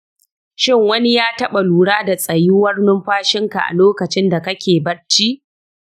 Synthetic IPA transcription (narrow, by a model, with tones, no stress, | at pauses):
ʃɪ˦˨ŋwɐ˦ni˦jaː˦tɐ˦ɓa˨luː˨ɽaː˦da˨sʼɐ˨ji˦wɐ˦rnʊ˦mɸaː˦ʃɪ˦ŋka˨ʔa̰˨loː˦kɐ˨t͡ʃɪ˦nda˨kɐ˦kʲeː˨bɐ˦ɽt͡ʃiː˦ʔ